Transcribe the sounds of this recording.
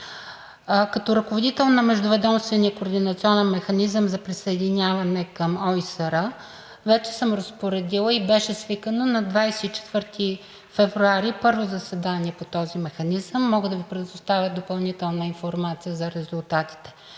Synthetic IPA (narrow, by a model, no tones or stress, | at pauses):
kɐt̪ɔɾɐkovod̪it̪ɛlˠnɐmɛʒd̪ʊvɛd̪ɔmst̪vɛniəkoːɾd̪inɐt̪siɔnɛnmɛxɐnizəmzɐpɾisɐɛd̪inʲjavɐnɛkəmɔisəɾə | vɛt͡ʃɛ̥səmɾɐspoɾɛd̪ilˠəibɛʃɛsvikənonɐd̪vajsɛit͡ʃɛ̥t̪vɤɾt̪ʰi | fɛvɾuaɾipɤɾvozɐsɛd̪aniɛpot̪ɔzimɛxɐnizəmːɔɡəd̪ɐvipɾɛd̪d̪ost̪avʲjəd̪opɐlˠnit̪ɛlˠnəinfoɾmat̪sijəzɐɾɛzulˠt̪at̪i̥t̪ɛ̥